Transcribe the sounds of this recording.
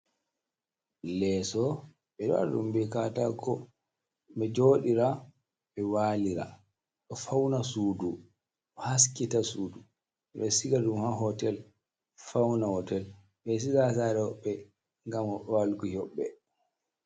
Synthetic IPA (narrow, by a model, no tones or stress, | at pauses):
lɛsɔ | ɓɛɗɔa̰ɗṵmbɛkatakʰɔ | mɛd͡ʒoːɗiɾa | ɓɛwaliɾa̰ | ɗɔfawnasuːdu | has̬kitasuːdu | ɓɛsiɡaɗumhaɦɔtɛl | fawnahɔtɛl | ɓɛs̬izas̬aɾɛhɔɓːɛ | ŋɡamɔɔalɡuhɔɓːɛ